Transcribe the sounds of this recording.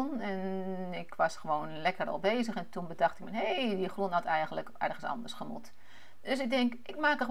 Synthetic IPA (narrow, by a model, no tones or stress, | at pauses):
nɛnɪkʋɑsχəʋoːnlɛkərɔ̰lˠbeːzəχɛntunbədɑχtɪkmɛnɦeːdiχrunɦɔtɛjɣənləkɛ̰rχənsɑ̰ndərsχəmṵt | d̥øs̬ɪɡ̚dɪŋkɪkmaːkəχə